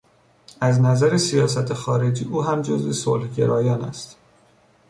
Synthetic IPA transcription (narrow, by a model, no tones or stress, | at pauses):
æznæzæɾesijɒːsæt̪ʰexɒːɾe̞d͡ʒiːʔuːɦæmd͡ʒozve̞so̰lhɟe̞̰ɾɒːjɒːnæ̰st̪